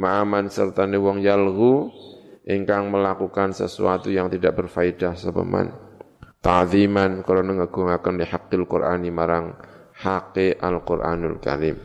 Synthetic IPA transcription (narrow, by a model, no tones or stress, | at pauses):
maʔamansərt̪anewɔŋjalɦu | ʔiŋkaŋməlakukansə̰sṵat̪ujaŋt̪idaʔ̚bərfaidasəpə̰ma̰n | t̪aʕðimankəɾonaŋəɡ̥uŋakəndihakːɪlkṵrʔanimaɾaŋhakeʔalkurʔa̰nʊ̰lka̰ɾim